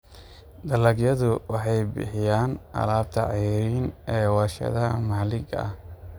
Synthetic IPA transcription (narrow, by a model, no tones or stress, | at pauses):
d̪ɐlɐɡjɐðʊwɑħɑjbɪ̰ħɪjaːnʔɐ̰laːb̚t̪ʰɐ̰ʕijɾiːnɛːwɐːʃɐ̰ðɐmaːlɪɡɐ̰h